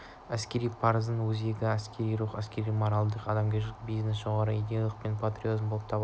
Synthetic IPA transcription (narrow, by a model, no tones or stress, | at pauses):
æskʲe̞ɾijpʰɑɾəzənwɵze̞ɡʲɪæskʲe̞ɾijɾuqæskʲe̞ɾijmoɾɑlˠd̪əqɑd̪ɑmɡʲeʒlɪkbijznesʒ̥o̞ʁɑɾəid̪ʲejalˠəqpe̞npʰat̪rʲiozmbolˠəp̚t̪ʰɑb